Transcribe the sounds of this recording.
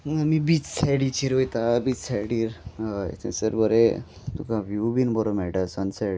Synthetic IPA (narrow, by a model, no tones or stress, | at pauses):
mibit͡ssajɽit͡ɕiɾojt̪abit͡ssajɽiːɾḛt̪ʰḛ̃səɾbəɾe | t̪ukãʋjubinbɔɾomɛɭʈasənsajɽi